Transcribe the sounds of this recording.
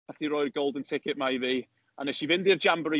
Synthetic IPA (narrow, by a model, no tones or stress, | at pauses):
θiɾɔɨrɡolˠdəntʰɪkɪʔmaiviː | anɛʃivɪndird͡ʒambɾi